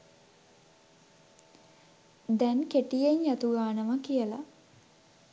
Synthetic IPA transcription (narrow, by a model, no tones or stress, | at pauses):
d̪ɛnkeʈijeɲjat̪uɡaːnəməkijəla